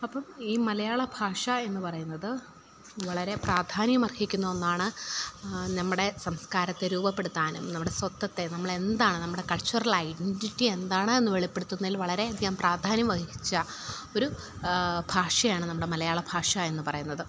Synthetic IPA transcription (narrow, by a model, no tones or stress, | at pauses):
ɐpːɐmiːmɐlɐjaːɭɐbʱaːʂɐe̞nːɨpɐrɐjunːɐðɨ | ʋɐɭɐɾe̞praːd̪ʱaːnjɐmɐrɡʰikʲːunːɐonːaːɳɨ | nɐmːuɽe̞sɐmskaːɾɐt̪ːeɾuːbɐpːe̞ɽut̪ːaːnumnɐmːuɽe̞sʋɐt̪ːɐt̪ːe̞nɐmːɐɭe̞nd̪aːɳɨnɐmːuɽe̞kɐɭt͡ɕɐrɐlɐjɖenʈitːie̞nd̪aːɳɨenːɨʋeɭipːeɽut̪ːunːilʋɐɭɐɾe̞ɐd̪ʱjiɐmpraːd̪ʱaːnjɐmʋɐɡiit͡ɕːɐ | o̞ɾu | bʱaːʂɐjaːɳɨnɐmːuɽe̞mɐlɐjaːɭɐbʱaːʂɐe̞nːupɐrɐjunːɐðɨ